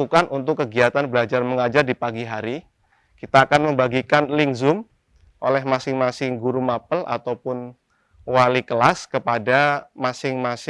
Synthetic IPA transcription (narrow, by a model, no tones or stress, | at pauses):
ukanʔunt̪ʊkːəɡiat̪anbəlad͡ʒarməŋad͡ʒardipaɡiɦaɾi | kit̪aːkanməmbaɡikanlɪŋzʊm | ʔo̰lɛhmasɪŋmasɪŋɡuɾumapəlʔa̰t̪awpʊn | walikəlaskəpadamasɪŋmasɪ